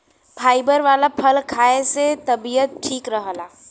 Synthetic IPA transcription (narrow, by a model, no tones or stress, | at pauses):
pʰaibəɾʋalapʰəlkʰaeset̪əbijət̪̚ʈʰiːkɾəɦəla